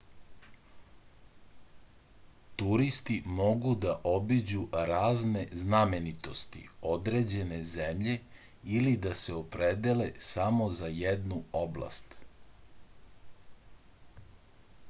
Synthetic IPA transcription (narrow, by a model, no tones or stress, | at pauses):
t̪uɾist̪imo̞ɡud̪aʔobid͡ʑuɾaːzne̞zname̞nit̪o̞st̪ḭod̪ɾed͡ʑe̞ne̞zemʎe̞ | ilid̪aseo̞pɾed̪ele̞samo̞zajed̪nuoblˠa̰st̪